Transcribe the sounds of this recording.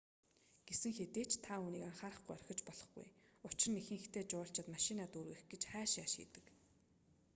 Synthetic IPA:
ɡ̥esɘ̆ŋxet̪eːt͡ɕt̪ʰauːniːkaŋχaːɾə̆χɡujœrxʲɪ̆t͡ɕpɔɮɞ̆χɡṵjʊt͡ɕr̆nixɘ̆ŋxt̪ʰeːt͡ɕʊːɬt͡ɕɪ̆t̪maʃɪnaːt̪uːɾɣɘxɡet͡ɕχæːʃaːʃḭːt̪ɘ̥̆k

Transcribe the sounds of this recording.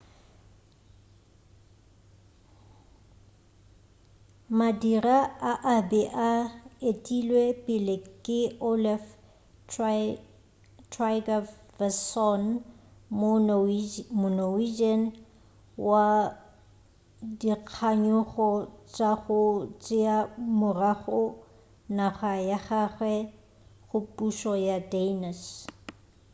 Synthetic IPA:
madiraaʔabɛʔaetʼilwepʼɪlɪkʼɪolɛf | tʰraɡa | vɛsɔnm | mʊnowid͡ʒɛn | wa | diq͡χʰaɲʊɣɔt͡ʃʼaɣʊt͡ʃʼɪamʊraχʊ | naχajaχaɣwɛ | ɣʊpʼuʃɔjadenas

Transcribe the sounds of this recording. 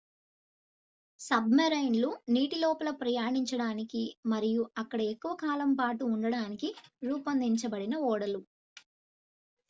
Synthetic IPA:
sɐbmɐɾɐjnluniːʈilɔːpɐlɐpɾɐjaːɳiɲt͡ʃɐɽaːnikimɐɾijuɐkːɐɽɐekːuʋɐkaːlɐmpaːʈuːɳɖɐɽaːnikiɾuːpɐnd̪iɲt͡ʃɐbɐɽinɐɔːɽɐlu

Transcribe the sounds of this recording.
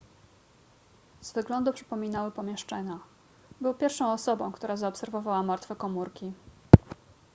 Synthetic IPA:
z̥vɘɡlɔnd̪upʂɘ̥pɔmʲinawɘpɔmʲjɛʂt͡ʂɛɲa | bɘwpʲjɛɾfʂɔ̃w̃ɔsɔbɔ̃w̃kt̪uɾazaɔpsɛɾvɔvawamaɾt̪fɛkɔmuɾkʲi

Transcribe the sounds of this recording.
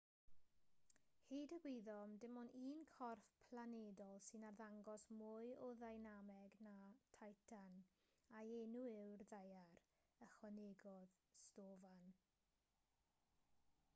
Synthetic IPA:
hedəɡwɪðɔmdɪmɔniːnkʰɔrfpʰlanedɔlˠsɨnarðaŋɡɔsmʊɨɔðajnamɛɡnatʰajtʰan | aenuɪwrðajar | əχwɛneɡɔð | stoːvan

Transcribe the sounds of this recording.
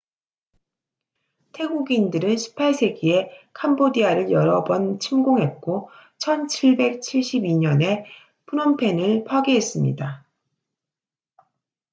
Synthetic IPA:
tʰe̞ɡuɡindɯɾɯnɕʰi̥pʰːaɭsʰe̞ɡie̞kʰambodiaɾɯɭjʌɾʌbʌnt͡ɕʰimɡoŋɦe̞t̚k͈ot͡ɕʰʌnt͡ɕʰiɭbe̞k̚t͡ɕʰiɭɕ͈ibiɲʌne̞ | pʰunʌmpʰe̞nɯɭpʰwaɡiɦe̞s͈ɯmɲḭda

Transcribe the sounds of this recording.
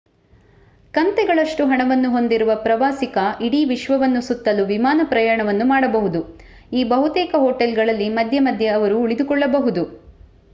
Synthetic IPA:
kɐnt̪ɛɡɐɭɐʂʈuɦɐɳɐʋɐnːuɦo̞nd̪iɾuʋɐpɾɐʋaːsikɐʔiɽiːʋiʃʋɐʋɐnːusut̪ːɐluʋimaːnɐpɾɐjaːɳɐʋɐnːumaːɽɐbɐɦud̪u | iːbɐɦut̪ɛːkɐɦoːʈelɡɐɭɐlːimɐd̪ʱjɐmɐd̪ʱjeɐʋɐɾuːɭid̪ukɔɭːɐbɐɦud̪u

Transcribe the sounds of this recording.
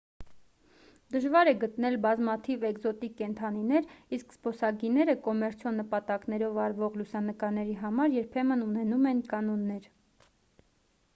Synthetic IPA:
d̪əʒvɑɾɛɡət̪nɛlbɑzmɑt̪ʰivɛɡzɔt̪ikːɛnt̪ʰɑninɛɾiskspɔsɑɡinɛɾəkɔmɛɾt͡sʰjɔnːəpɑt̪ɑknɛɾɔvɑɾvɔʁlusɑnəkɑɾnɛɾiɦɑmɑɾjɛɾpʰɛmənunɛnumɛnkɑnɔnːɛɾ

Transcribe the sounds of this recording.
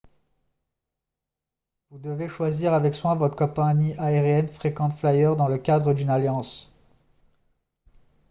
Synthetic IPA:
vud̪əveʃwaziʁavɛkswɛ̃vɔt̪χkɔ̃paniʔaeʁjɛnfχekɑ̃t̪flajœʁd̪ɑ̃ləkʲad̪ʁəd̪ynaljɑ̃s

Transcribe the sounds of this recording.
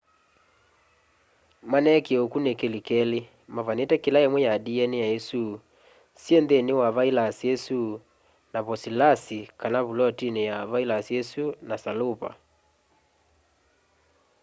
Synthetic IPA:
manɛkeokunekelikɛle | mavanetɛkelaemwɛjadiɛnejaesu | sjendenewaβailasiesu | naβɔsilasikanaβulɔtinejaβailasiesunasalopa̰

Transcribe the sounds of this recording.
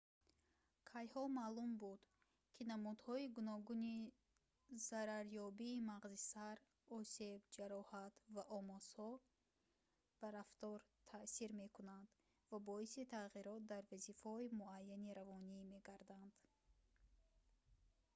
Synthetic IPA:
kʰajhɔmalumbud̪̥ | kʰinamud̪hɔiɡunɔɡuni | zaɾaɾjɔbiːmaʁzisaɾ | ɔse̞bd͡ʒaɾɔhat̪vaʔɔmɔz̥hɔ | b̥aɾaft̪ɔɾt̪ʰasiɾme̞kʰunand̪ | vabɔisit̪ʰaʁiɾɔt̪̚d̪aɾvazifhɔimuajːaniɾavɔnime̞ɡaɾd̪and̪̥

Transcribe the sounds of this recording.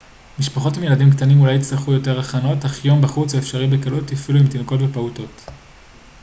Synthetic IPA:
miʃpaχo̞timje̞ladimktanimulajit͡sliχujo̞te̞ʁaχano̞taχjo̞mbaχut͡soefʃaʁimbekalutifiluimtinoko̞tvepauto̞t

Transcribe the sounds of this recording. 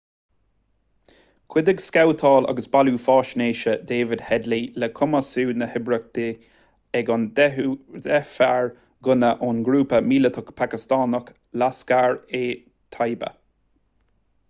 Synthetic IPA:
kʰw̥ɪd̪əɡskawt̪ʰɑːla̰ɡəsbaluːfɑːʃneːʃəd̪eːvɪd̪hɛd̪lilɛkʰʊməsuːnəhɪbɾək̚d̪̥ɪ | ɛɡɔn | d̪ɛfaɹ | ɡʊnəʔʊnɡɾuːpəmiːlət̪ʰʊkpʰakɪst̪ɑːnək | laskaɹeː | t̪ʰajbə̰

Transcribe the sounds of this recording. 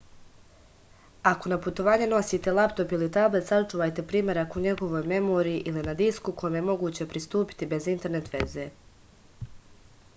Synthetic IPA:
ako̞naput̪o̞ʋaːɲe̞no̞siːt̪e̞lˠapt̪o̞pilit̪able̞t̪sat͡ʃuːʋaːjt̪e̞pɾiːmʲje̞ɾakuɲe̞ɡo̞ʋo̞ːjme̞mo̞ːɾijːʔilinad̪iskukʰo̞jomje̞mo̞ɡuːt͡ɕe̞pɾist̪uːpi̥t̪ibe̞zint̪e̞ɾne̞t̪ʋe̞̰ze̞

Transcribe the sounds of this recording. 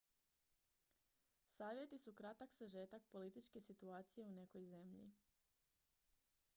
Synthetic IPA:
saːʋje̞t̪isukɾat̪aksaʒe̞ːt̪ak̚po̞lit̪it͡ʃke̞sit̪uaːt̪sije̞une̞ko̞jze̞mʎḭ

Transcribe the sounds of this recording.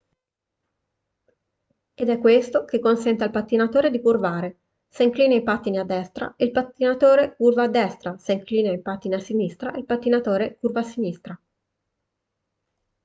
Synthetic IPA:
ed̪ɛkːwest̪okekːonsɛnt̪ealpat̪ːinat̪oːɾed̪ikurvaːɾe | seiŋkliːnaipat̪ːinead̪ːɛst̪ɾa̰ilpat̪ːinat̪oːɾekurvaːd̪ːɛst̪ɾaseiŋkliːnaipat̪ːineasinist̪ɾaʔilpat̪ːinat̪oːɾekurvasinist̪ɾa

